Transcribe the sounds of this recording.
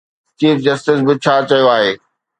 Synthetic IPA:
t͡ɕiːfd͡ʑɐsʈɪs̬bɪt͡ɕʰaːt͡ɕɐjoaːɦeː

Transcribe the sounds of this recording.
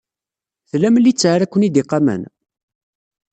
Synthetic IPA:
θlæmlːit͡sːʕaɾækʷːənid̪iqɑmə̰n

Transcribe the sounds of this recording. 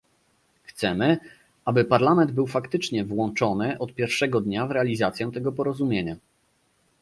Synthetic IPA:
xt̪sɛmɘ | ʔabɘpaɾlamɛnd̪̚bɘwfakt̪ɘt͡ʂɲɛvwɔnt͡ʂɔnɘʔɔt̪̚pʲjɛɾfʂɛɡɔd̪ɲavɾɛalʲizat̪sʲjɛ̃t̪ɛɡɔpɔɾɔzumʲjeɲa

